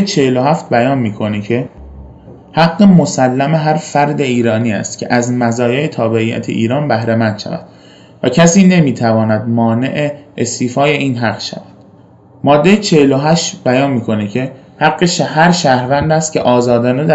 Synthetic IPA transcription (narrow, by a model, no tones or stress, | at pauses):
t͡ʃʰeheloɦæft̪̚bæjɒːnmiːkʰo̞necʰe̞ | hæɡːemosælːæmeɦæɾfæɾd̪eiːɾɒːniːæ̰st̪cʰḛʔæzmæzɒːjeet̪ʰɒːbeʔijːæ̰t̪ʰeʔḭːɾɒːnbæhɾemænd̪ʃæ̰væ̰d̪̥ | væcʰæsiːne̞miːt̪ʰævɒːnæd̪mɒːne̞̰ʔeest̪iːfɒːje̞iːnɦæɡ̥ʃæ̰væd̪̥ | mɒːd̪ːe̞jet͡ʃʰeheloɦæʃt̪bæjɒːnmiːkʰo̞necʰe̞ | hæɣːeʃhæɾʃæhɾvænd̪æst̪̚cʰeʔɒːzɒːd̪ɒːned̪æ